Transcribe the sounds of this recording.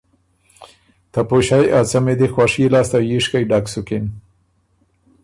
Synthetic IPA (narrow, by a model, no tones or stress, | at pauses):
t̪apoʃajʔat͡samed̪ixwɑʂilɑːst̪ajiʂkajɖaksʊkɪn